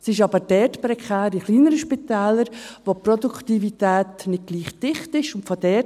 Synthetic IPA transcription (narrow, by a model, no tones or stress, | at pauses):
sɪʃɑbəɾd̥ɛtpɾɛkʰχɛːɾiχliːnəɾəʃpitɛːləɾʋoprɔdukχtivitɛːtnɪd̚ɡ̥liːχd̥ɪχtɪʃʊntfodɛt